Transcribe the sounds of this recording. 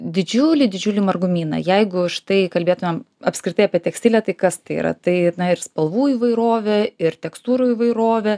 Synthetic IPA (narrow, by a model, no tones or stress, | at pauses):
d̪ʲɪd͡ʒʲʊlʲɪd̪ʲɪd͡ʒʲʊːlʲɪmɐrɡʊmʲiːnɐ̰jɛɪɡʊʃt̪ɐɪkɐlʲbʲeːt̪ʊmʲɛm | ɐpʲskɾʲɪt̪ɐɪɐpʲiɛt̪ʲɛksʲtʲɪlʲɛt̪ɐɪkɐst̪ɐɪḭɾɐ̰t̪ɐɪnɐɪɾspɐlˠʋuːiːʋɐɪɾoːʋʲɛɪɾt̪ʲɛkst̪uːɾuːiʋɐɪɾoːʋʲɛ